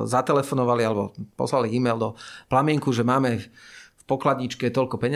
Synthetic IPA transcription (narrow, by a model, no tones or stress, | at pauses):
zat̪ɛlɛfɔnɔʋalialɛbɔ̰pɔ̰slaliiːmɛjld̪ɔplamɪɛŋkuʒɛmaːmɛfpɔklad̪ɲit͡ʃkɛt̪ɔʎkɔpɛɲ